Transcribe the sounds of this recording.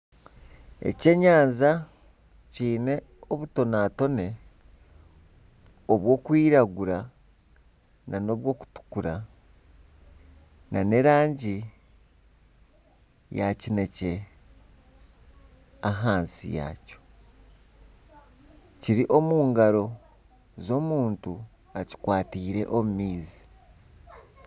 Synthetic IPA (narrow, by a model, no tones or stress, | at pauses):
ḛce̞ɲaːnza | ciːne̞ | oβuto̞naːto̞ne̞ | oβwo̞ːkwiːɾaɡuɾa | nʔano̞ːβwo̞ːku̥tu̥kuɾa | nane̞ɾaːɲɟi | jacine̞ce̞ | aɦaːnsḭja̰ːco̞̥ | ciɾiʔo̞muːŋɡaɾo̞ | zo̞ːmuːntu | aci̥kwaːtiːɾe̞̰ʔomumiːzi̥